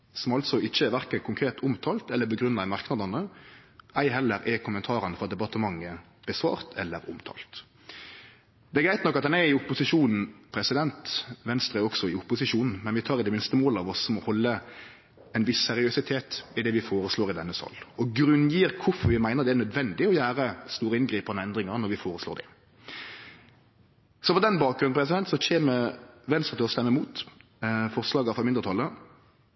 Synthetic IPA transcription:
sɔmɑlt̪sɔɪçːəʋæɾkənkʰʊŋkʰɾeːt̪ʰʊmt̪ʰɑːlt̪ɛlːəbəɡɾʉnːɑɛmɑʁknɑd̪ɑnə | æɪɦɛlːəɾɛkʰʊmːənt̪ʰɑːɾənəfɔɾɑt̪̚d̪ɛpɑt̪əmɑŋːə | b̥əsʋɑ̰ːɾt̪ʰɛlːəɾʊmt̪ʰɑ̰ːlt̪ | d̪̥ɛɛɾɡɾæɪt̪nɔkːɑt̪̚d̪ɛnæɾɪʊpʊsɪʂuːnn̩pʰɾɛsɪd̪ɛnt̪ʋɛnst̪ɾəɔksɔɪʊpʊsɪʂuːnn̩mɛnʋɪt̪ʰɑːɾd̪ɛmɪnst̪əmoːləɑʋɔsɔmɔhɔlːə | ɛnʋɪsːɛɾɪœsɪt̪ʰeːt̪ɪd̪ɛʋɪfoːɾəsloːɾɪd̪ɛnːəsɑ̰lːɔɡɾʉnjiːʁkʰʊfɔɾʋɪmæɪnəɾd̪ɛæʁnœd̪ʋɛnd̪ɪɔjæːɾəst̪uːɾəɪnɡɾiːpɑnəɛnd̪ɾɪŋɑɾnɔɾʋɪfoːɾəsloːd̪ɛ̰ | sɔpɔd̪ɛnbɑːk̚ɡɾʉnpɾɛsɪd̪ɛnt̪sɔçeːməʋɛnst̪ʁət̪ʰɪɔst̪ɛmːəmuːt̪ | fɔʁslɑːɡɑfɔmɪnd̪əɾt̪ʰɑlːə

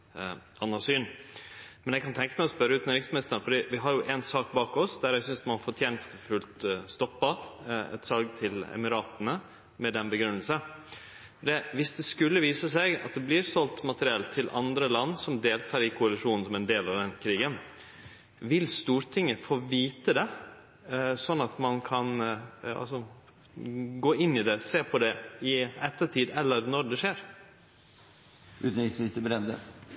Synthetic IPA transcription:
ɑnːɑsyːn | mɛnjɛɡkʰɑnt̪ʰɛŋkəmæɪɔspœɾːəʉːt̪nəɾɪsmɪnɪst̪ənfɔɖiːʋɪɦɑɾjʊʔɛnsɑːk̚bɑːkɔsd̪æɾjɛɡsʏnsmɑnfɔʈʰjeːnəst̪əfʉlt̪st̪ɔpːɑɛ̰t̪sɑlɡt̪ʰɪlɛ̰mɪɾɑːt̪nə | mɛd̪ɛnbəɡɾʉnːəlsə | d̪ɛʋɪsd̪ɛskʉlːəʋiːsəsɛɡɑ̰t̪̚d̪ɛblɪːɾsɔlt̪mɑt̪əɾɪɛlt̪ʰːɪlʔɑ̰nd̪ɾəlɑnːsɔmd̪eːlt̪ʰɑːɾɪkʰʊɑlɪʂuːnn̩sɔmɛnd̪eːlɑʋd̪ɛnkʰɾiːɡən | ʋɪlst̪uːɾt̪ʰɪŋːəfoːʋiːt̪əd̪ɛ | sɔnːɑt̪mɑnkʰɑnɑ̰sɔ | ɡoːɪnːɪd̪ɛseːpʰɔd̪ɛɪɛt̪ːəʈʰiːd̪ɛlːəɾnɔɖ̪ɛʂeːɾ | ʉ̰ːt̪n̩ɪksʋɪst̪əbɾɛnd̪ə̰

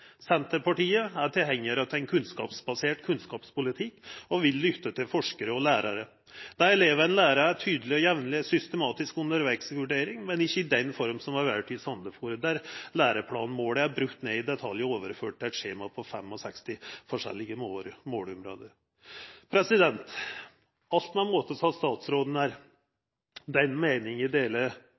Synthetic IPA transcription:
sɛnt̪əɾpɑʈiːəæʈ̪ʰɪlɦɛŋːəɾɑt̪ʰɛnkʰʉnskɑ̰ːpsbɑseːʈkʰʉnskɑːpspʊlɪt̪ʰɪkːɔʋɪlːʏt̪ːət̪ʰɪlfɔʂkəɾəɔlæːɾɑɾə | d̪̥æɾɛleːʋəɾɛɪnlæːɾɑɾæʈʰyːd̪əlɪɔjɛʋnlɪsʏst̪əmɑːt̪ɪskʉnd̪əɾʋækskʋʉɖeːɾɪŋmɛnɪçːəɪd̪ɛnfɔɾmsɔmɑɾʋæʈʰɪsɑnd̪əfuːɾəd̪æɾlæːɾəpʰlɑ̰ːn̩moːɽəæɾbɾʉkt̪ːneːɪd̪ɛt̪ʰɑljəoːʋəɾføːʈ̪̚ːɛt̪ʂeːmɑpʰɔfɛ̰mːɔsɛkst̪ɪfɔʂɛ̰lːɪɡəmmoːlʊmɾo̰ːd̪əɾ | pʰɾɛsɪd̪ɛnt̪ | ɑlt̪mɛnmoːt̪əsɔɑst̪ɑːt̪sɾoːd̪n̩æɾ | d̪ɛnmeːnɪŋɪd̪eːlə

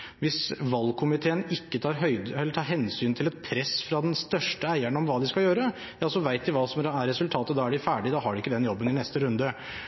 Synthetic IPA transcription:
ʋɪsʋɑlːkʰʊmɪt̪ʰeːənɪkːət̪ʰɑːɾɦœʏɛlːəʈʰɑːɾɦɛnsyːnt̪ʰɪlɛt̪̚pʰɾɛsːfɾɑd̪ɛnst̪œʂʈəæɪæɳɔmʋɑːd̪ɪskɑljøːɾə | jɑsɔʋæɪt̪̚d̪ɪʋɑːsɔmæɾɛsʉlt̪ʰɑːt̪əd̪ɑːæɖɪfæːɖɪd̪ɑɦɑɖʉɪkːəd̪ɛnjɔbːənɪnɛst̪əɾʉnd̪ə

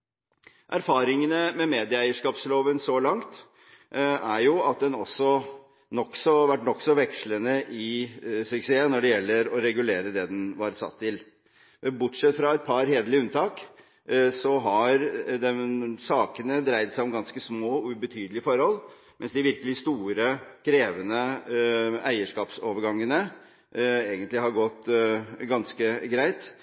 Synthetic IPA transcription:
ʔæɾfɑːɾɪŋənəmɛmeːd̪ɪəæɪəʂkɑːpsloːʋənsɔlɑŋt̪ | æɾjʊɑt̪̚d̪ɛnɔsːɔ | nɔkːsɔʋæʈːnɔkːsɔʋɛkʂɭənəʔɪsʉkseːənɔɖɛjɛlːəɾɔɾɛɡʉleːɾəd̪ɛd̪ɛnʋɑɾsɑ̰t̪ʰːɪl | bʊʈʂɛt̪ːfɾɑɛt̪̚pʰɑɾheːd̪əlɪʉnt̪ʰɑːk | sɔɦɑɾd̪ɛsɑːkənəd̪ɾæɪt̪sæɪɔmɡɑnskəsmoːɔʉbət̪ʰyːd̪əlɪəfɔɾhɔl | mɛnsd̪ɪʋɪɾkəlɪst̪uːɾəkʰɾeːʋənə | æɪəʂkɑːpsoːʋəɾɡɑŋːənə | eːɡənt̪lɪhɑɾɡɔt̪ːɡɑnskəɡɾæɪt̪

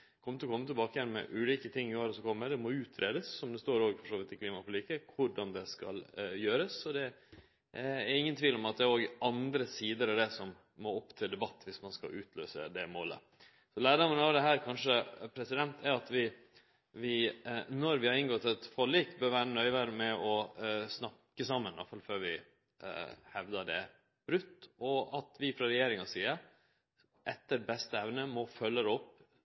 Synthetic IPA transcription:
kʰɔmət̪lɔkɔmːət̪ɪlbɑːkəjɛnmɛ̰ʔʉːliːkət̪ʰɪŋːɪoːɾəsɔkʰɔmːəd̪ɛmɔʉːt̪ʰɾeːd̪əsːɔmd̪ɛst̪oːɾoːɡfɔʂoːʋɪt̪ːɪkʰliːmɑpʰɔlɪːkəkʰʊɖɑnd̪ɛskɑ̰ljøːɾəsːɔd̪ɛ | æɾɪŋːənt̪ʰʋiːlɔmɑt̪̚d̪ɛæɾoːɡɑnd̪ɾəsiːd̪əɾɑʋd̪ɛsɔmː | ɔɔpːt̪ʰɪld̪ɛbɑt̪ːʋɪsmɑnskɑ̰ʔʉːt̪ʰlø̰ːsə̰d̪ɛmoːlə̰ | sɔlæːɖɔmːənɑʋd̪ɛɦæːɾkʰɑnʂəpʰɾɛsɪd̪ɛnt̪ʰæɾɑt̪ʋɪ | ʋɪnɔɾʋɪhɑɾɪŋɡɔt̪ːɛt̪fɔɭiːkbœːɾʋæːɾənœʏʋæɾəmɛɔsnɑkːəsɑmːənɑ̰fɑlføːɾʋɪ | hɛʋd̪əɖɛ̰ | b̥ɾʉt̪ːɔɑt̪ʰʋɪfɾɑɾɛjeːɾɪŋɑsiːəɾ | ʔɛt̪ːəɾbɛst̪əɛʋnəmɔfœlːəd̪ɔpː

